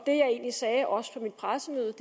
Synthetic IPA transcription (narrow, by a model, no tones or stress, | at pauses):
d̥e̝jɑ̈ɪe̝̰ːnlisɛːʔɒ̽sə̥pʰɒ̽mid̥̚pʰʁasəmø̰ːðˠəd̥